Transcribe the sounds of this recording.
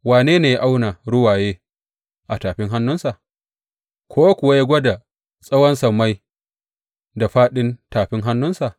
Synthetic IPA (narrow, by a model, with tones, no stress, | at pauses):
waː˨neː˦neː˨ja˦ʔa˦wna˨ɽʊ˦waː˨jeː˦ | ʔa˨taː˨ɸɪ˦ŋɦa˦nːʊ˦nsa˨ʔ | kʷʰoː˦a˦kʷʊ˨wa˦ja˦ɡʷɔ˦da˨ | sʼɐ˦wɐ˦nsɐ˨mːa˦j | da˨ɸaː˦ɗɪ˦ntaː˨ɸɪ˦ŋɦa˦nːʊ˦nsa˨ʔ